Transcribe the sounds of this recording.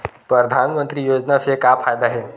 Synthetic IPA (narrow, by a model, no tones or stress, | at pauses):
pɾəd̪ʱanmənt̪ɾiːjod͡ʑnafekapʰajd̪aɦe